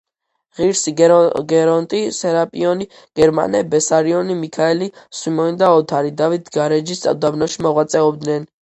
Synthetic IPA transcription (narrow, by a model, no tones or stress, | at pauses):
ʁiɾsiɡɛɾɔnt̪ʼisɛɾapʼiɔni | ɡ̥ɛɾma̰nɛbɛsaɾiɔnimikʰaɛlisimɔnid̪aɔt̪ʰaɾid̪avit̪ʰɡaɾɛd͡ʒist̪ʼa̰vd̪abnɔʃimɔʁwat̪sʼɛɔbd̪nɛn